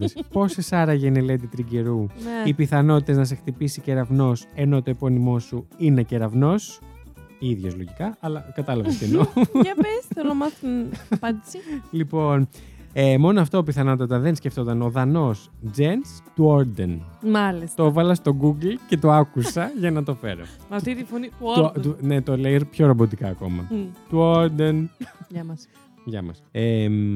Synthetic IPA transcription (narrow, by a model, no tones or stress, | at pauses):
spo̞se̞sɐɾɐʝenele̞d̪it̪ɾiɟe̞ɾunipiθɐno̞t̪it̪e̞znɐse̞xt̪ipisiceɾɐvno̞se̞no̞t̪o̞epo̞nimo̞suineceɾɐvno̞s | iðʝo̞zloʝikɐɐlɐkɐt̪ɐlɐvɐsenoɐesθelomɐθnpɐd̪isilipo̞nemo̞noɐft̪opiθɐnɐt̪ɐt̪ɐðe̞nsceft̪ot̪ɐno̞ðɐno̞sd͡zenst̪uoɾd̪enmɐlist̪oevɐlɐst̪o̞ɡuɡlce̞t̪oɐkusɐʝɐnɐt̪o̞fe̞̰ɾo̞̰ɐfit̪ifoniunet̪olejɾpço̞ɾobo̞t̪ikɐːko̞̰mɐ̰t̪uoɾd̪enʝɐɐs | ʝɐ̰mɐ̰sem